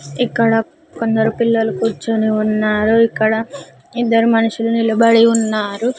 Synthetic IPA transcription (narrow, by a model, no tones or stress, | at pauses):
ikːɐɽɐ | kond̪ɐɾupilːɐlukuːɾt͡ʃuniunːaːɾuikːɐɽɐ | id̪ːɐɾumɐnuʂulunilɐbɐɽiunːaːɾu